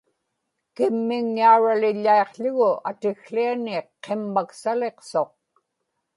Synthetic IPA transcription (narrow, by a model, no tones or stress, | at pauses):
kɪmːɪŋːauɻalɪʎːaeqʎʊɣʊʔat̪ɪxɬianɪqʰːemːaksale̞qsoq̚